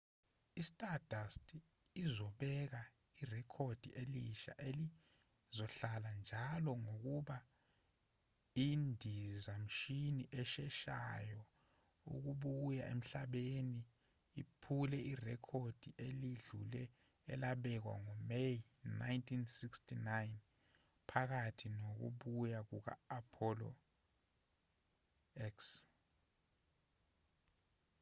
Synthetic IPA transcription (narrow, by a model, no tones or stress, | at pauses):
istʼadastʰʼ | izɔɓɛk̬a | irɛkʰod̥ʱieliʃa̰ʔeli | zɔɬaland͡ʒʱalɔŋok̬uɓa | indʱizam̩ʃiniʔɛʃɛʃajɔ | ṵk̬uɓuja̰ḛm̩ɬaɓeniː | pʰulɛirɛkʰod̥ʱiʔeliɮulɛ̰ː | laɓɛk̬wa̰ŋɔmejina̰jntʼʰinsikstinajn | pʰak̬atʰinok̬ṵɓujak̬uk̬a̰ːpʰɔlɔ̰ | ɛks